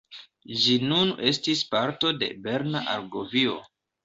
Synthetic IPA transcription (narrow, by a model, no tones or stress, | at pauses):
d͡ʒinune̞stispaɾto̞de̞̰be̞ɾnaʔa̰ɾɡovio̞̰